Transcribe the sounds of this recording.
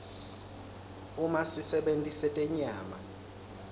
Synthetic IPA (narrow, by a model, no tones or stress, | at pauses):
umasisɛɓentʼisɛtʼɛɲaːma̰